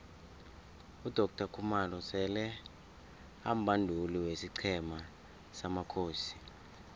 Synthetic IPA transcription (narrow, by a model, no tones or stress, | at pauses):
ud̥ʱɔk̚tʰakʰumalɔsɛlɛ | a̰m̩bʱandʱuliwesiǀʰɛma | samakʰoːsi̥